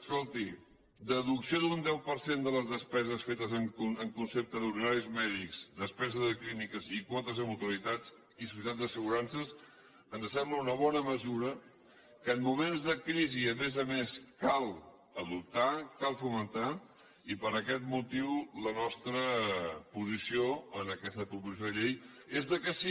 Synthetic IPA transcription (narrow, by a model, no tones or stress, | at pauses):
əskolˠt̪i | d̪əðuksiod̪und̪ɛwpəɾsend̪ələzðəspɛzəsfet̪əzəŋkuəŋkunsep̚t̪əðuɾðinaɾizmɛðikz̥d̪əspɛzəðəklinikəzikwɔt̪əzəmut̪uəɾit̪ad͡z | is̬usjət̪ad͡zd̪əsəɣuɾansəs | ənzəsɛmbləunəβ̞ɔnəməzuɾə | kəːnmumenzðəkɾiziəmezəmeskalˠ | əðup̚t̪akalˠfumənt̪a | ipəɾəkɛt̪mut̪iwlənɔst̪ɾəpuzisioənəkɛst̪əpɾupuziijoðəʎejezðəkəsi